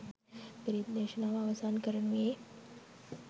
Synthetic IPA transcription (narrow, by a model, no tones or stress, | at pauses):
pəɾit̪̚neɕənaʋaʋsankəɾme